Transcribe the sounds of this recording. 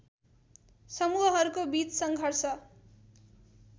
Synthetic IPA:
sʌmuɦʌɦʌɾukobit͡ssʌŋɡʱʌrsʌ

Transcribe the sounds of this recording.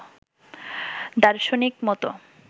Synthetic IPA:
d̪aɾʃonikmɔt̪o

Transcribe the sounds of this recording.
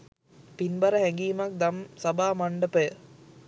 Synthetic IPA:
pinbɐɾɐhɛŋɡiːmɐk̚d̪ɐmsɐbaːmɐɳɖɐpə

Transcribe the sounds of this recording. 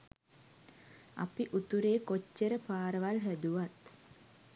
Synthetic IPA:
a̰piʔut̪uɾeːkot͡ʃːəɾəpaːɾəʋalɦæd̪uʋat̪

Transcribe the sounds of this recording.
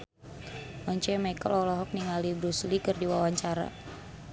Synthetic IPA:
ʔɔɲt͡ʃɛmajkə̰lɔlɔɦɔk̚niŋalibɾuslikɨrdiwawaɲt͡ʃaɾa̰

